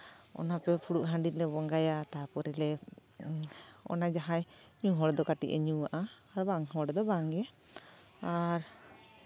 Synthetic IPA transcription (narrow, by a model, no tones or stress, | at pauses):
ɔ̰napɛpʰuɽuʔɦãɳɖitlɛbɔŋɡajat̪apɔɾɛlɛ | ɔ̰nad͡ʒaɦaj | ɲuɦɔɽɛd̪ɔkaʈḭʔɛ̰ɲuwaʔaː | ɾbaŋɦɔɽɛd̪ɔbaŋɛ | aɾ